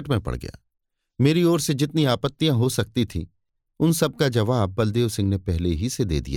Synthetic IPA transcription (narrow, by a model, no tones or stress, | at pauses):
ʈmẽpɐ̰ɽɡɐ̰ja̰ː | meːɾiɔːɾsed͡ʒɪt̪niaːpət̪ːijãɦosɐk̚t̪it̪ʰḭ̃ː | ʊnsɐb̚kad͡ʒɐʋaːb̚ːɐld̪eːʋsɪ̃ŋɡnepɛɦleɦised̪ḛːd̪ḭja̰ː